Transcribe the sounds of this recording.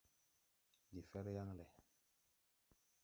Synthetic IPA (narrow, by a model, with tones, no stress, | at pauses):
li˨fɛ˦ɾja˦ŋlɛ˨